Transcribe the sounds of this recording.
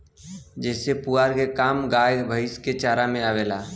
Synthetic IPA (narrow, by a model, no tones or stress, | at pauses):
d͡ʒɛːsepuaːɾkekaːmɡaːjbʱəɪsket͡ʃaːɾamẽaːʋeːlaː